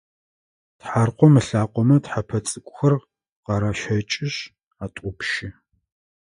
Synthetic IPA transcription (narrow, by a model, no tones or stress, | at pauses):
tħarqʷɔmɨɬaːqʷɔmɐtħapʰɐt͡sʼɨkʷʼʊxɐr | qɑɾaːʃɐt͡ʃʼɪɕ | aːtʷʼʊpʃɪ